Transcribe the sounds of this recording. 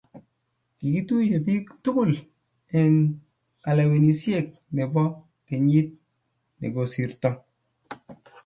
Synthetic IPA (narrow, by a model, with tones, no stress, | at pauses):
ki˨ki˦tu˦je˨pi˦ktʊ˦kʊ˦˨l | e˨n | ka˨la˨we˨ni˨sje˨k̚ne˨bɔ˦ | ke˨ɲi˦t̚ | nḛ˨ɡo˨si˨ɾtɔ˨